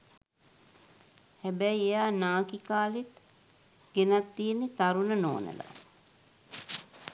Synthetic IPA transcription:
hɛbæjejaːnaːkikaːlet̪ | ɡ̥enat̪ːijenːet̪aɾunəno̰ːnə̰la̰

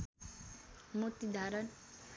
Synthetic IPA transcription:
mot̪id̪ʱaɾən

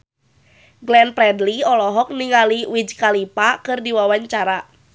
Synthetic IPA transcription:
ɡlɛnpɾɛdliɔlɔɦɔk̚niŋaliwid͡ʒkalipakɨrdiwawaɲt͡ʃaɾa

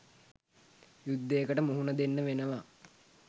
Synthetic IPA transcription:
jud̪ːejːkəʈəmuɦunəd̪enːəʋenəʋa

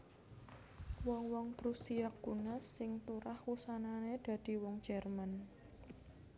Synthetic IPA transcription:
wɔŋwɔŋpɾusiaɡunasːɪŋt̪uɾahwusananed̪̥ä̤d̪̥i̤wɔŋ̥d͡ʒ̥ɛrman

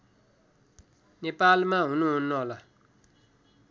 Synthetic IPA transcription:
nepalmãɦũnũũnɔ̃la

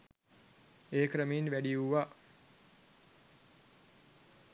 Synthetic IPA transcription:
eːkɾəmiinʋæɖiuʋa

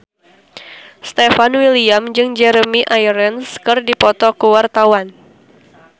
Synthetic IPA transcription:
st̪efanwiliamd͡ʒɨŋd͡ʒɛɾəmiʔajɾənskɨrdipɔt̪ɔkəwart̪awan

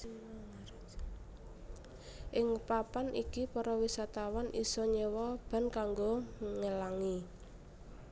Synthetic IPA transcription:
ʔɪŋpapanʔikipɔɾɔwisat̪awanʔisɔɲəwɔb̥a̤nkaŋɡoŋəlaŋi

